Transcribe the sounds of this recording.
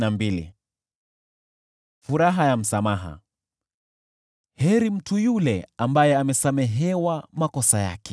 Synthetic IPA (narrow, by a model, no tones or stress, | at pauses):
nambilḭ | fuɾaɦajam̩samaɦa̰ | hɛɾim̩tʰujulɛambajɛamɛsamɛɦɛwamakɔsaja̰kɛ̥